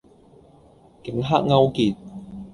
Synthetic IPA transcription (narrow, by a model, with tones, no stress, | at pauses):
kɪ˨˦ŋɦa̰ː˥k̚ŋɐ˥wkiː˧t̚